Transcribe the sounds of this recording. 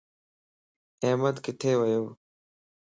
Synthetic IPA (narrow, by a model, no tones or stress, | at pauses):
eːməd̪kɪʈʰeːʋəjoː